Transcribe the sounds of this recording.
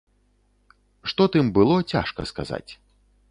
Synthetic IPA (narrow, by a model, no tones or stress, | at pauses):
ʂt̪ɔt̪ɨmbɨlˠɔt͡sʲa̰ʂkɐ̰skaza̰t͡sʲ